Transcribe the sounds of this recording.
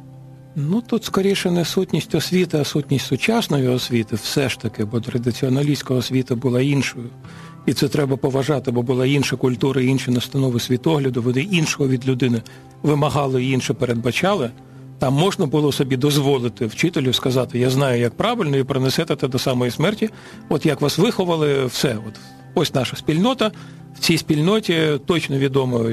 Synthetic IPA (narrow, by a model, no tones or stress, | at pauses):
nut̪ut̪skɔɾʲijʃɛnɛsutʲnʲisʲtʲɔsʲʋʲit̪ɪɐsutʲnʲisʲtʲsʊt͡ʃɑsnɔjʊɔsʲʋʲit̪ɪwsɛʃt̪ɐkɪbɔt̪ɾɐd̪ɪt͡sʲiɔnɐlʲisʲkɐɔsʲʋʲit̪ɐbʊlˠɑinʃɔjʊ | it̪sɛt̪ɾɛbɐpɔʋɐʒɑt̪ɪbɔbʊlˠɑinʃɐkʊlʲt̪uɾɐiinʃinɐst̪ɐnɔʋɪsʲʋʲit̪ɔɦlʲɐd̪ʊʋɔnɪinʃɔɦɔʋʲid̪lʲʊd̪ɪnɪ | ʋɪmɐɦɑlˠɪiinʃɛpeɾed̪̚bɐt͡ʃɑlˠɪ | t̪ɑmːɔʒnɐbʊlˠɔsɔbʲid̪ɔzʋɔlˠɪt̪ɪwt͡ʃɪt̪elʲʊskɐzɑt̪ɪjaznɑjʊjɐk̚pɾɑʋɪlʲnɔipɾɪnɛsɛt̪ɛt̪ɛd̪ɔsɑmɔjismɛrtʲi | ɔt̪jɐkʋɑsʋɪxɔʋɐlˠɪwsɛɔt̪ | ɔsʲnɑʃɐsʲpʲilʲnɔt̪ɐ | w̥t͡sʲijspʲilʲnɔtʲit̪ɔt͡ʃnɔʋʲid̪ɔmɔ